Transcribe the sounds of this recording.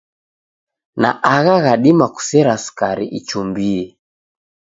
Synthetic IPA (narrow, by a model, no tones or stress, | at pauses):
na̰ʔaɣaɣaɗimaku̥sɛɾasu̥kaɾḭʔit͡ʃumbiɛ